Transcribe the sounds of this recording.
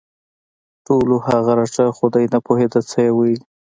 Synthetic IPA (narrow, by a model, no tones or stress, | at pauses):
ʈolohaɣaɾaʈ͡ʂaxʊd̪ajnapoɦed̪at͡səjewəi